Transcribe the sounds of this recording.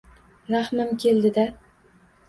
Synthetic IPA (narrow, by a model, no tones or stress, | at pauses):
ɾahmɪmkʲʰe̞ld̪ɪd̪a